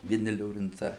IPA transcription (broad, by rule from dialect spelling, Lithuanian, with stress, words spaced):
ʋʲiɛˈnʲɪ lʲoːrʲɪnˈt͡sɐɪ